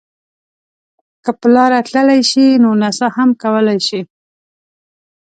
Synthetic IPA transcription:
kəpəlɑɾat̪ləlajʃinonasahamkawəlajʃi

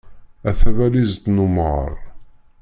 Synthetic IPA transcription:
æθævælizd̪numʁə̰ɾˤ

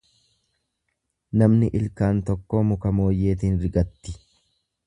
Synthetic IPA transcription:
nɐmnɪʔɪlkaːnt̪ɔkːoːmʊkɐmo̞ːjːe̞ːt̪ɪːnɾɪɡɐt̪ːɪ̥

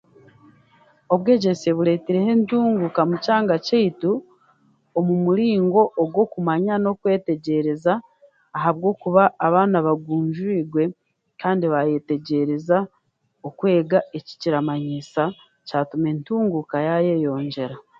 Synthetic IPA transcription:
o̞βwe̞ːɟe̞se̞βuɾe̞ːteɾe̞he̞ntuːŋɡukamucaːŋɡaceitu | omumuɾiːŋɡo̞ʔːɡwo̞kumaɲano̞kwe̞ːte̞ɟe̞ɾezaː | ɦaβɡo̞ːkuβaːβaːnaβaɡuːɲʒuiːɡwe̞ | kaːndiβaje̞te̞ɟe̞ɾe̞za | okwe̞ːɡaeci̥ciɾamaɲisa | caːtume̞ntuːŋɡukajajejo̞ːɲɟe̞ɾa

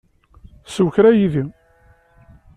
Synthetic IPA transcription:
səwçɾæjiði

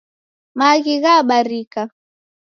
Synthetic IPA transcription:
maɣiɣaɓaɾika

